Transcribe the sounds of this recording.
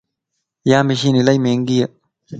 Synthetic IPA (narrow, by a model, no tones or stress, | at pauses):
jaːmiɕinilɐjmeːŋɡijɐ